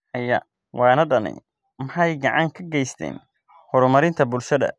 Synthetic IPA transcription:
hɐjɐ̰ | wɑːnɐɖɐnɛ̰j | mɐħɑjɡɑʕɑŋkʰɐɡɛjst̪ʰɛ̰ːn | hɔɾʊmɐɾɪnt̪ʰɐbʊlʃɐðɐ̰

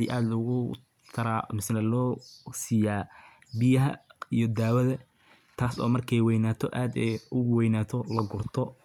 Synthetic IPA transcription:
ḭːʔaːd̪lʊɣʊ | t̪ʰɐɾa̰ːmɪsnɐlɔːsijaː | bɪjɐɦɐijɔd̪aːwɐðɐ | t̪ʰaːsɔ̰ːmɐrkʰɛjwɛjnaːt̪ʰɔ̰ʔaːd̪ɛjʊwɛjnaːt̪ʰɔlɐɡʊrt̪ʰɔ

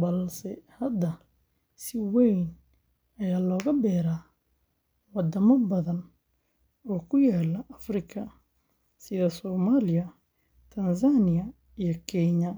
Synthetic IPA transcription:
bɐlsɛhɐd̪ɐ | sɪwɛjn | ɐjaːlɔːɣɐbɛːɾaː | wɑd̪ɐmɐbɐðɐn | ɔːkʰʊjaːlɐʔɐfrɪkʰɐ | sɪðɐsɔːmaːlɪjɐ | t̪ʰɐnsanɪjɐ | ijɞkʰɛɲɐ

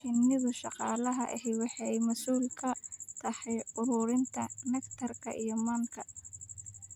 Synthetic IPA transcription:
ɪnɪðʊʃɑqɑːlɐɦɐʔɛ̰ɦɛwɑħɑjmɐsuːlkʰɐt̪ʰɐħɛjʊɾʊɾɪnt̪ʰɐmɛkt̪ʰɐrkʰɐ̰ʔijɞmɐŋkʰɐ

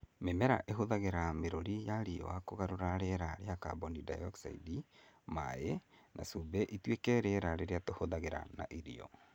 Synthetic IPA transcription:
memɛɾa̰ʔeɦoðaɣeɾameɾoɾijaɾiɔ̰wakoɣaɾoɾaɾeɾaɾeaka̰bonidajɔksa̰ḭdima̰enʔa̰subɛʔitwekɛɾeɾaɾeɾeatohoðaɣeɾa̰na̰ʔiɾḭɔ̰

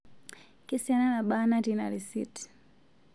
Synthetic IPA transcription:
kisiananaɓanatina̰ɾisḭt

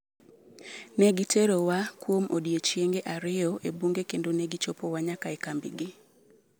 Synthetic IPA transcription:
nɛɡɪtʰeɾowakwomodjet͡ʃjeŋɡeʔaɾɪɔʔebuŋɡekendonɛɡɪt͡ʃopowaɲakaɛkambɪ̰ɡɪ

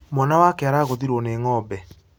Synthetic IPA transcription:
mwanawakɛaɾaːɣoðiɾwɔneŋɔbɛ

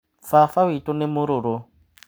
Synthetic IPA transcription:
fafawitʼɔnemʊɾʊɾo

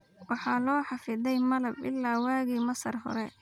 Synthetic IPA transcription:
wɑħɑlɔːħɑfɪðɛjmɐlɐbʔɪ̰lːaːwaːɣiːmɐsɐrɦɔ̰ɾɛ

